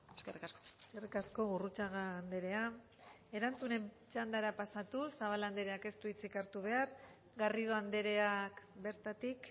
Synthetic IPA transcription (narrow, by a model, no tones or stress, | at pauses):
eskerikaskoskerikasko̞ɣurut͡ʃaɣaːnd̪e̞ɾe̞a | e̞ɾant͡sune̞m | t͡ʃand̪aeɾapasat̪usaβaland̪e̞ɾe̞ake̞st̪uit͡sikaɾt̪uβ̞e̞aɾ | ɡariðo̞and̪e̞ɾe̞akbe̞ɾt̪at̪ik